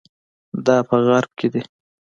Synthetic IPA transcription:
d̪ɑpəɣaɾb̚kʰed̪i

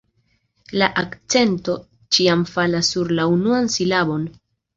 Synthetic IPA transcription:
laʔakt͡se̞nto̞ | t͡ʃiamfalasːuɾlaunuansilabo̞n

